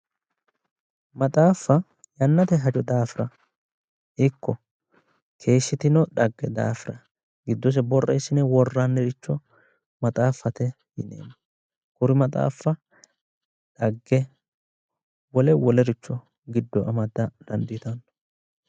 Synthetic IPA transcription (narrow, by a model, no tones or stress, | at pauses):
mɐt̪ʼaːfːɐ | jɐnːɐt̪ɛɦɐd͡ʒʼɔd̪aːfɪɾɐ | ʔɪkʰːɔ | kʰe̞ːʃːɪt̪ɪnɔᶑɐɡːɛd̪a̰ːfɪɾɐ | ɡɪd̪ːɔs̬ɛbɔrːejsːɪnɛwɔrːanːɛɾɪt͡ʃːɔ | mɐt̪ʼaːfːɐt̪ɛ | jɪnḛːnːɐ | kʊɾɪmɐt̪ʼa̰ːfːɐ | ᶑɐɡːɛ | wɔlɛwɔlɛɾɪt͡ʃːɔ | ɡɪd̪ːɔʔɐmɐd̪ɐd̪ɐnd̪it̪ɐnː